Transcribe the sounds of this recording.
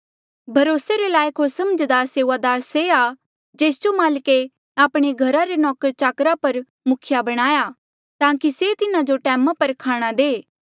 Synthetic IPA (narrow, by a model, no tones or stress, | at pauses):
bʱɐɾoːseɾelaːjkʰɦosɐməd͡ʒd̪aːɾseːʋad̪aːɾsea | d͡ʒeːsd͡ʒomaːlke | aːpɽ̃eɡʱɐɾaɾenɔːkəɾt͡ʃaːkɾapɐɾ | mʊkʰɪjabɐɽ̃aːja | t̪ãːkiset̪ɪnad͡ʒoʈɛːmapɐɾkʰaːɽ̃ad̪eː